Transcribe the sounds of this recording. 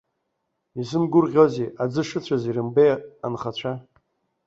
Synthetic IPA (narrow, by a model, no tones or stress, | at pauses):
izɨnɡʷʊrʁʲozeʔad͡zɨʂɨt͡ɕʷʰazirɨmbeja̰nχat͡ɕʷʰa